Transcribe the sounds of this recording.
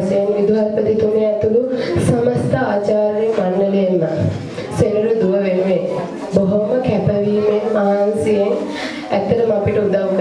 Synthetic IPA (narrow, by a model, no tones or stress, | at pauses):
sejenʋid̪uɦaɾpət̪it̪uneɛt̪ulusɐməst̪əaːt͡ʃaːɾːemaɳːɐlijɐnːa | senɐlud̪uʋəʋenuʋen | boɦoməkʰæpɐʋiːmemaɦansijen | æt̪ːɐɾəmapiʈəud̪aːʋun